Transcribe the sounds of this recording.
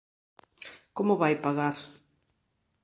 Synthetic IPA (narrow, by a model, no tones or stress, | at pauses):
komʊβajpaɣaɾ